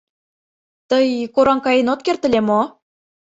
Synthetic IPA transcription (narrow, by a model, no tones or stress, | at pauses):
t̪əjkoɾɑŋkɑjenot̪̚kert̪ə̆lʲemo